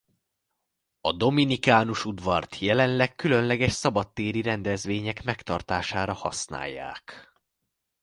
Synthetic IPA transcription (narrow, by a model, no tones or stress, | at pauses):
ɒd̪o̞minikaːnuʃud̪ʋɒrt̪ʰjɛlɛnlɛkkːylø̞nlɛɡɛʃsɒbɒt̪ːeːɾiɾɛnd̪ɛzʋeːɲɛkmɛkt̪ɒrt̪aːʃaːɾɒhɒ̰sna̰ːjːa̰ːk